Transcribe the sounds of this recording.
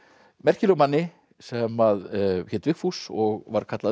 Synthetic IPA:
mɛr̥cɪlʏɣmanːɪ | sɛmaðçɛt̪vɪxfusɔɣvaɾ̥kʰat̪la

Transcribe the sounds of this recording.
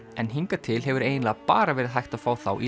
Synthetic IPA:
ɛnɦiŋkat̪ʰɪlɦɛvʏɾeːjnlapaːɾavɛːɾɪðɦajht̪aðfaːwθa̰wʔi

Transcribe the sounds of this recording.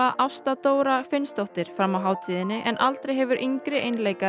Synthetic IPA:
aʔawst̪at̪oːwɾafɪnst̪ɔwht̪ɪɾ̥fɾamːawɦaːwt̪ʰiːðɪnːɪʔɛnʔalt̪ɾejɦɛvʏɾʔiŋkɾɪʔejnlejka

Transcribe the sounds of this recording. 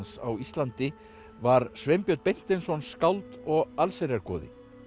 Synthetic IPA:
nsa̰wist̪lant̪ɪ | vaɾsvejmpjœt̪̚pejn̥t̪ɛnsɔnskawlt̪ɔɣalseɾjaɾkɔ̰ːðɪ̰

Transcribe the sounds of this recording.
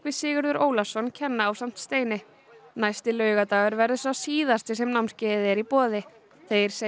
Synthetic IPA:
kvɪsɪːɣʏɾðʏɾoːwlasɔnːcʰɛnːaːwsam̥t̪st̪eːjnɪ | najst̪ɪlœːɥɣat̪aːɣʏɾvɛɾðʏsasiːðast̪ɪsɛmnawmscɛːðɪɛɾipɔːðɪ | θejɾ̥se

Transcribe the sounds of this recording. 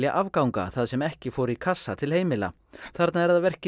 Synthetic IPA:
ljaʔavkawŋka̰θaðsɛmɛhcɪfowɾikʰasːat̪ʰɪlheːjmɪla̰ | θaɾt̪naɛɾaðavɛr̥cɪ

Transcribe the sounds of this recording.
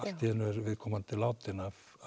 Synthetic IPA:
st̪iɛnʏɛɾvɪðkʰɔmant̪ʰɪlawt̪ɪnav

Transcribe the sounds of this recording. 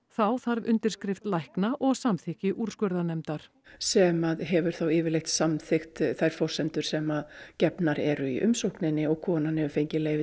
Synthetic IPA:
θawθaɾvʏ̰nt̪ɪɾskɾɪft̪lajhknaʔɔɣsamθɪhcɪʔuɾ̥skœɾðanɛmt̪aɾ̥ | sɛmaðɦɛvʏɾ̥θawɪːvɪɾlejxt̪samθɪxt̪θajɾ̥fɔr̥sɛnt̪ʏɾ̥sɛmaðcɛpnaɾɛɾʏḭʔʏmsowhknɪnːɪɔɣkʰɔːnanhɛvʏɾfejɲcɪleːjvɪ

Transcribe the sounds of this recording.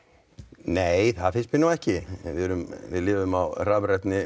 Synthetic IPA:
neːjθaðfɪnst̪mɪnːawɛhcɪvɪðɛɾʏmvɪ̰ðlɪːvʏmawraːvɾɛt̪nɪ

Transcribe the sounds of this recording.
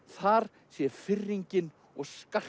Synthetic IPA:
θaɾ̥ | sjɛfɪrːiɲcɪn | ɔɣskḁ

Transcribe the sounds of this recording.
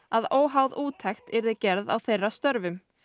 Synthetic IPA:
aðoːwɦawðuːt̪ʰɛxt̪ɛɾðɪcɛɾða̰wθejrːast̪œɾvʏm

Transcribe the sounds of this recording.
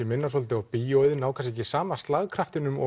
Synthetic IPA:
ɪmɪnːasɔlt̪ɪawpijojðɪnaːwkʰas̬ecɪsaːmast̪laɣkʰɾaft̪ɪnʏmɔ̰

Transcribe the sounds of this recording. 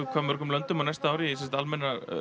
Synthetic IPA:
kʰaːmvœɾ̥kʏmlœnt̪ʏmanajst̪aaːwɾisɛnsḁt̪almɛnːa

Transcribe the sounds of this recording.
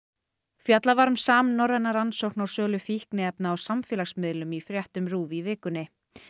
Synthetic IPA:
fjat̪lavaɾmsaːmnːɔɾɛnaɾansowhknaw̥sœːlʏfihknɪɛpnaːwsamfɪːlaxsmɪðlʏmifɾjɛht̪ʏmɾuːvivɪːkʏnːɪ

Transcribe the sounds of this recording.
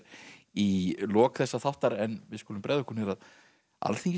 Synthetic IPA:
ɾilɔːkθɛsːaθawht̪aɾɛnvɪðskɔːlʏmpɾɛːðʏhkʰunvɛɾað | a̰lθiŋc

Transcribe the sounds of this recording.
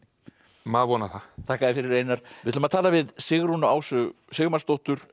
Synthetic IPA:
maːðvɔnaθat̪ʰaːkaðɪfɪɾɪɾeːjnaɾ̥vɪt̪ʰʏlmaðt̪ʰaːlavɪðsɪɣɾunaaːwsʏsɪɣmḁst̪owht̪ʏɾ̥

